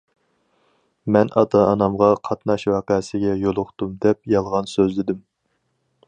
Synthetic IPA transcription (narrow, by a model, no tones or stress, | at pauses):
mɛnʔɑ̰t̪ɑːnɑmʁɑqʰɑt̪nɑʃwɑːqɛsɪɡʲɛjolˠʊχt̪umd̪ɛp̚jɑlˠʁɑnsøzlɪd̪ɪm